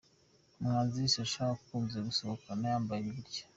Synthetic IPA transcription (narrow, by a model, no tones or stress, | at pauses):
mŋaːzisaʃakuːnzeɡusokanajaːmbaɾiɾɟe